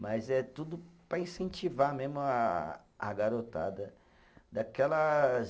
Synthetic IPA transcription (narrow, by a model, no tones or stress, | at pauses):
mɐzɛt̪ud̪ʊpɾɐĩsẽnt͡ʃivamezmʊaː | ɡaɾot̪a̰d̪ɐ | d̪akɛlɐ